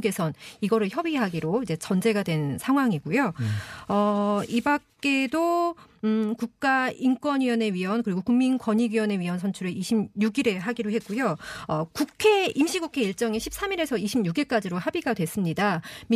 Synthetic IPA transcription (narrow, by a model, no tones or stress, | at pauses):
ɡe̞sʰʌniɡʌɾɯɭçjʌbiɦaɡiɾoid͡ʑe̞t͡ɕʌnd͡ʑe̞ɡadwe̞nsʰaŋɦwaŋiɡujoʌibak̚k͈e̞do | kuk̚k͈aink͈wʌnɥijʌne̞ɥiʌnkɯɾiɡokuŋminkwʌɲiɡɥiwʌne̞ɥiʌnsʰʌnt͡ɕʰuɾeʔiɕʰimɲuɡiɾe̞ɦaɡiɾoɦe̞t̚k͈ujoʌkukʰe̞imɕʰiɡukʰe̞iɭt͡ɕ͈ʌŋiɕʰip̚s͈ʰamiɾe̞sʰʌiɕʰimɲuɡiɭk͈ad͡ʑiɾohabiɡadwe̞s͈ɯmɲidam